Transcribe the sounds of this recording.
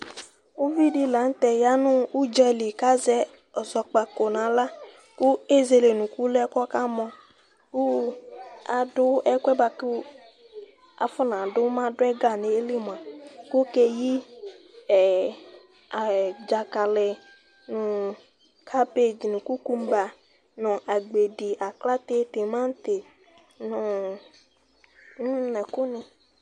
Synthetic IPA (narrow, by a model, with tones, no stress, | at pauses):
u˦vi˦˨di˦˨la˨˦n̩˦tɛ˨ja˦nʊ̃˦u˦d͡ʒɛ˧li˨ka˦zɛ˧ | ɔ˨zɔ˨k͡pa˧ko˨nã˨˦la˦ | kʊ˦e˦˨ze˧le˨nũ˨ku˦lɛ˦kɔ˦ka˦mɔ̃˧ | ku˦ | a˨dʊ˦ɛ˦kʷɛ˦ba˧ku˦ | a̰˨fʊ˦nã˨dʊ˦mã˦dʊ˦ɛ˦ɡa˦˨ne˨e˦li˦m˨a˨kʊ˦ke˦ji˦˨ | a˨d͡ʒa˨ka˨lɪ˨ | nʊ̃˨ | kʰa˦pe˦˨d͡ʒi˨nɪ̃˨ku˦ku˦m˦ba˨ | nʊ̃˨ʔa˨ɡ͡be˨di˨ʔa˨kla˦t̪e˦t̪e˨mã˦n˦t̪e˨ | nʊ̃˨˦ | nɛ̃˨kʊ˦nɪ̃˨